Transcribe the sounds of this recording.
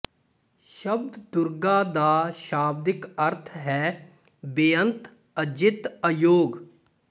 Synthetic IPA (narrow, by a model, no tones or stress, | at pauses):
ʃəb̚d̪d̪ʊɾɡaːd̪aːʃaːb̚d̪ɪkəɾt̪ʰɦɛː | bɪjənt̪ | əd͡ʒɪt̪əjoːɡ